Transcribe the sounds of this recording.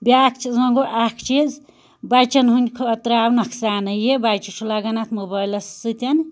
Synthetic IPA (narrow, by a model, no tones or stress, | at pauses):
bʲakʰt͡ʃʰizɐŋɡoʔakʰt͡ʃʰiz | bajt͡ʃɐnɦunʲkʰoːt̪ɾawnɐkʰsaːnɐjebajt͡ʃut͡ʃʰulaɡɐnat̪ʰmobɐjlɐssɨt̪ʲɐn